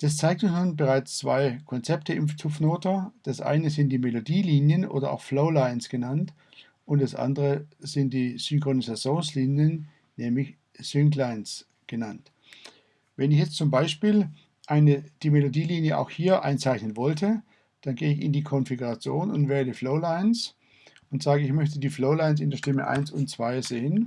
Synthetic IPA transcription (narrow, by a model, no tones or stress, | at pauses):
d̥ast͡saɪk̚tʊnsnuːnbəʁaɪt͡st͡sv̥a̰ɪkʰɔnt͡sɛptʰəʔɪmft͡sʰʊfnoːtɐd̥asʔa̰ɪnəzɪnt̚d̥iːmelodiːliːnjənʔo̰ːdɐʔa̰ʊxfloʊlaɪnsɡ̥ənant | ʔʊntd̥asʔa̰ndəʁəz̥ɪnt̚d̥iːz̥ʏŋkʁ̥onizat͡sjoːnsliːnjən | nɛːmlɪç | z̥ʏŋklaɪns | ɡ̥ənant | vɛnɪçjɛt͡stt͡sʊmbaɪʃpiːl | ʔaɪnəd̥iːmelodiːliːnjəʔa̰ʊxhiːɐʔa̰ɪnt͡saɪçnənvɔltʰə | d̥anɡeːəɪçɪ̰ndiːkʰɔnfiɡuʁat͡sjoːnʊntv̥ɛːɐədiːfloʊlaɪns | ʔʊntz̥aːɡəɪçmœçtədiːfloʊlaɪns̬ɪndeːʃtɪmə̰ʔa̰ɪnsʊntt͡sv̥aɪz̥eːən